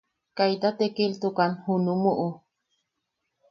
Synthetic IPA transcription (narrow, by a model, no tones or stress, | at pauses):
kajt̪at̪ekilt̪ukanhunumuʔu